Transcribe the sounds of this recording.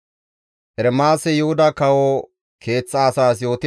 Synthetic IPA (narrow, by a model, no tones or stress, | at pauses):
ʔɛɾɛmaːsɛjʊhʊd̪ɐkɐwo | kʰe̞ːt͡sːɐːsaːsjo̞ːt̪ɪ